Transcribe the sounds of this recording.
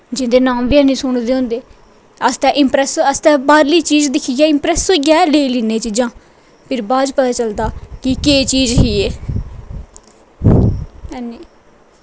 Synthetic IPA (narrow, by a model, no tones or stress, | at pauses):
d͡ʒɪ̃nd̪eːnaːmʋɪɛ̃ːnĩːsʊɳd̪eːɦõːnd̪eː | əst̪ɛ̃ːʔɪmpɾɛːsəst̪ɛ̃ːbaːɾliːt͡ʃiːd͡ʒd̪ɪkʰiɡɛːɪmpɾɛːsoːɡɛːleːiːliːneːt͡ʃid͡ʒãː | pʰɪɾbaːd͡ʒpət̪aːt͡ʃəld̪aːkɪkeːt͡ʃiːd͡ʒɦiːeː | ɛniː